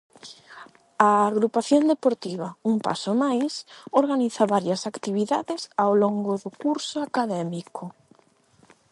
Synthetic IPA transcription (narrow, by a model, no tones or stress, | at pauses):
aːɣɾupaθjond̪epoɾt̪iβ̞ɐuŋpa̰somajsoɾɣaniθaβaɾjɐsakt̪iβiðaðɪsawloŋɡʊðʊkuɾsʊakaðɛmikʰo